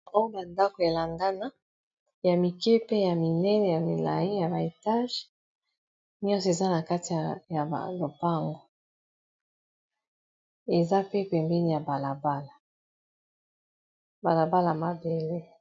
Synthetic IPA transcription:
o˦jo˦ba˨nda˦ko˨e˨la˨ŋɡa˦na˦ | ja˨mi˨kɛ˦pe˦ja˨mi˨nɛ˦nɛ˨ja˨mi˨la̰˨je˦ja˨ba˨e˨ta˦ʒ | ni˦ɔ̃˦se˨za˦na˨ka˦ti˨ja˨a̰˨lo˨pa˦ŋɡo˨ | e˨za˦pe˦pɛ˨mbɛ˦ni˦˨ja˨ba˨la˨ba˦la˨ | ba˨la˨ba˦la˨ma˨be˨le˦

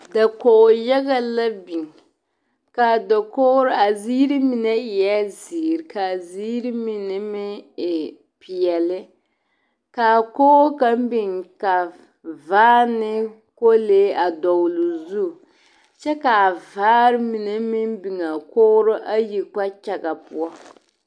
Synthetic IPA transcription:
da˨koː˨ja˦ɡɣa˦la˦bi˨ŋ | ka˨dɔ˨koː˦ɾʊ˦a˨zi˦ɾi˦mi˨nɛ˦ɪ˨ja˦ziː˨ɾɪ˨ka˨ziː˦ɾi˦mi˨nɛ˦mɪ˦ɪ˨ | pi˨ɛ˨lɪ˦ | ka˨koː˦ka˦m˦bi˨ŋka˨ | vaː˦nɪ˦ | ko˦leː˦a˨dɔ˨wlu˨zu˦˨ | t͡ʃɛ˦ka˨vaː˦ɾɪ˦mi˨ne˦mɪ˦m˦bi˨ŋa˨koː˦ɾʊ˦ʔa˦ji˨k͡pa˦t͡ʃa˨ɡa˨pu˦ɔ˦

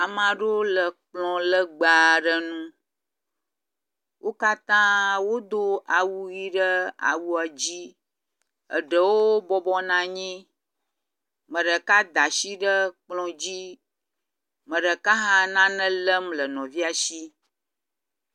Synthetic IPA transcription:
a˨mã˨ɖo˦lə˨k͡plɔ̃˨lə˦ɡ͡ba˨ɖə˦nũ˦ | wʔo˦ka˦t̪ã˦wo˦d̪o˦a˨wu˦ɣi˦ɖə˦a̰˨wu˦a˨d͡ʑi˦ | ə̰˨ɖə˨woo˦bɔ˦bɔ˦nã˨ɲĩ˦ | mə̃˨ɖə˨ka˦d̪a˨ʃi˦ɖə˦k͡plɔ̃˨d͡ʑi˦ | mə̃˨ɖə˨ka˦ɦã˦nã˦nə̃˦lə˦mlə˨nɔ̃˨vi˦a˨ʃi˦

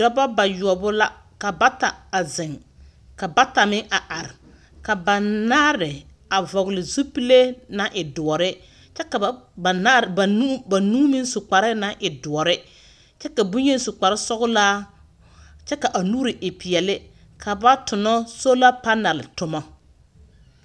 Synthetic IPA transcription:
dɔ˦ba˦ba˨jʊ˨ɔ˨bʊ˦la˦ | ka˨ba˦ta˨a˨zɪ˨ŋ | ka˨ba˦ta˨mɪ˦ŋʔa˨ʔa˨ɾɪ˨ | ka˨ba˨naː˦ɾɪ˨ | a˨vɔ˨ɣlɪ˨zu˦pi˦le˦na˦ʔɪ˨dʊ˨ɔ˨ɾɪ˦ | t͡ʃɛ˦ka˨˦˨ | a˨˦ba˨nuː˦mɪ˦sʊ˨k͡pa˨ɾɪ˦na˦ʔɪ˨dʊ˨ɔ˨ɾɪ˦ | t͡ʃɛ˦ka˨bʊ˦ɲe˦n˦sʊ˨k͡pa˨ɾɪ˦sɔ˦ɣʊ˦laː˦ | t͡ʃɛ˦ka˨ʔa˨nuː˦ɾɪ˨ʔɪ˨pɪ˨ɛ˨lɪ˦ | kʰa˨ba˦tʊ˨nɔ˦so˦la˦pa˦na˨lɪ˨tʊ˦mɔ˦

